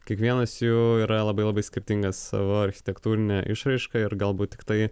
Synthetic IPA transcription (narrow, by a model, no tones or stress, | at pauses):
kʲiɛkʋʲiɛnɐsjuːiːɾɐlˠɐbɐɪlˠɐbɐɪsʲkʲɪɾʲt̪ʲɪŋɡɐsːɑ̰ːʋoːɐɾʲxʲɪ̥t̪ʲɛkt̪uːɾʲɪnʲɛʔɪ̰ʃɾɐɪʃkɐɪɾɡɐlˠbuːt̪̚t̪ʲːɪ̥kt̪ɐɪ